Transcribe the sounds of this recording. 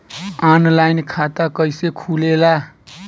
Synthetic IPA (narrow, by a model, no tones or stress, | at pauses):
anlajnkʰat̪akəjsekʰulela